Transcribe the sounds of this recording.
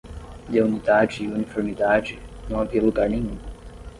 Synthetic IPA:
jaunid̪ad͡ʒiːunifeɾmid̪ad͡ʒinɐ̃w̃aviɐluɡaɾnẽɲ̃ũ

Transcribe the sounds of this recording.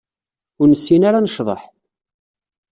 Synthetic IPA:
ʊɾnəsːinaɾanəʃðˤə̰ħ

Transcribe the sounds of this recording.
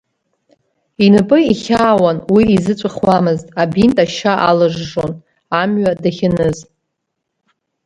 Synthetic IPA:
inɨpʼɨiχʲaːwanwiːzɨt͡sʷʼɨχwamɨztʼabintʼaʃaʔalɨʐːon | amɥadaχʲɪnɨztʼ

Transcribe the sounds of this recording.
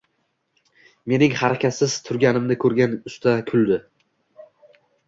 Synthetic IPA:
me̞nɪŋhaɾakʲat̪sɪzt̪ʰʊɾɡʲanɪmnɪkʰɵɾɡʲanʊst̪akʲʰʊlˠd̪ɪ

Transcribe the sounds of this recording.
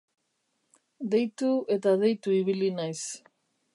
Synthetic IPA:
d̪e̞jt̪ue̞t̪aðe̞jt̪uiβilinajs

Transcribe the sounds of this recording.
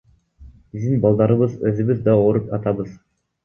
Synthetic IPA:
bizd̪inbɑlˠd̪ɑɾɯβɯzøzyβyðd̪ɑoɾupɑt̪ɑβɯz

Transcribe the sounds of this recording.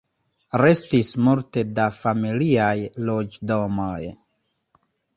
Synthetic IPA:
ɾe̞stismulte̞dafamiliajlo̞d͡ʒdo̞moj

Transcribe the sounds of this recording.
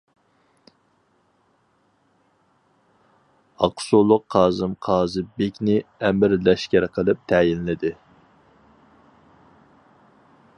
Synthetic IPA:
ɑqʰsulˠʊqʰːɑːzɨmqʰɑːzɨbekʲnɪɛmɪɾlɛʃkʲæɾqʰəlˠɨp̚t̪ʰɛjinlɪd̪ɪ

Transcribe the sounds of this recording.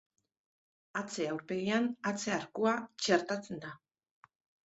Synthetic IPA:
at͡se̞awɾpe̞ɣianat͡se̞aɾkuat͡ʃe̞ɾt̪at͡se̞nd̪a

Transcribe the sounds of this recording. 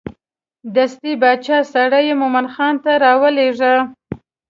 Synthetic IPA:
d̪ast̪ibɑt͡ʃɑsaɽəjemomanxɑnt̪aɾɑwəleʐə

